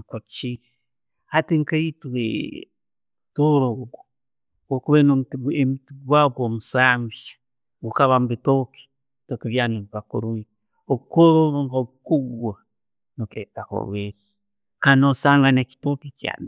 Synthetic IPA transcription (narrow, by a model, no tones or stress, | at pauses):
kot͡ʃi | hatiŋkaitwḛ | toɾoɡo̥ | wokuβenoemitiɡwaɡomusamvḁ | ɡukaβambitoki̥ | tokeβjanoβiβakṵɾuni | oβukoɾoβŋɡoβukuɡwa | noketako̰βweɾi | kanosaːŋɡaneki̥topicja̰ːni